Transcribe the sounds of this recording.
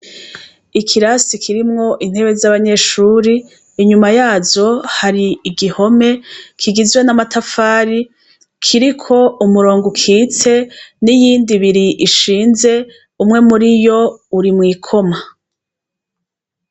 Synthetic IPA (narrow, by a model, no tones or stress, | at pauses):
ikʰiɾasikʰiɾimŋo̞ʔin̥he̞βe̞zaβaɲe̞ʃuːɾiː | ɲumajaːzo̞haɾiːɡiho̞me̞kʰiɡizɡwe̞namatʰafaːɾi | kʰiɾikʰo̞umuɾoːŋɡukʰiːt͡se̞nijiːndiβiɾiʔiʃiːnze̞ | umŋe̞muɾijo̞uɾimŋiːkʰo̞ma